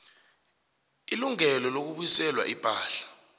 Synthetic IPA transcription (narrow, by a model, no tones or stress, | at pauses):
iluŋɛlɔlok̬uɓuisɛlwa̰ʔib̥ʱaːɬḁ